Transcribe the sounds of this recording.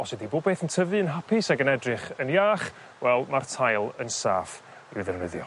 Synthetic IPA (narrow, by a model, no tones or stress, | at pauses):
ɔswɛdiboːd̚beːθəntʰəvɨənɦapʰɪsaɡənɛdrɨχənjaːχ | wɛlˠmartʰajlˠənsa̰ːf | ɪwðɛrnɪðjɔ̰